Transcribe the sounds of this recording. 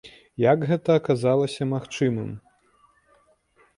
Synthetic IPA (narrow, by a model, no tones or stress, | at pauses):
jaɡɣɛt̪ɐːkazalˠɐsʲɐmaxt͡ʂɨmɨ̰m